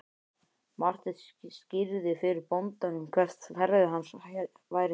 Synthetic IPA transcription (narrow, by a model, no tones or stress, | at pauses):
mar̥t̪ɪscɪɾðɪfɪɾɪɾpont̪anʏmkʰvɛr̥t̪hɛɾɪðɪɦanːs | vaːjɾɪ